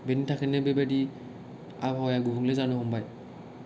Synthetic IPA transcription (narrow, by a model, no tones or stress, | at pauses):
benitʰakʰɛnɛbɛbadi | abɔjaɡubuŋlɛzanuɦɔmbaj